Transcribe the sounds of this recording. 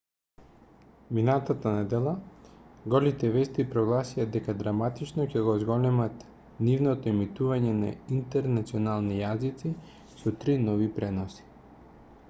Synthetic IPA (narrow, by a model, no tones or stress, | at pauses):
minat̪at̪anɛd̪ɛlˠaɡɔlit̪ɛvɛst̪ipɾɔɡlˠasijad̪ɛkad̪ɾamat̪it͡ʃnɔcɛɡɔzɡɔlɛmat̪ | nivnɔt̪ɔimit̪uvaɲɛna̰int̪ɛɾnat̪siɔnalˠnijazit̪si | sɔt̪ɾinɔvipɾɛnɔsi̥